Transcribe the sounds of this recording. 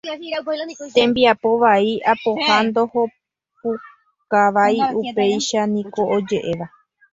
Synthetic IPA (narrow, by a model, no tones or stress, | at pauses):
t̪ẽ̞mbiapo̞ʋaiapo̞hand̪o̞ho̞ | p̚u | kaʋajupe̞jʃanĩko̞od͡ʒe̞ʔe̞ʋa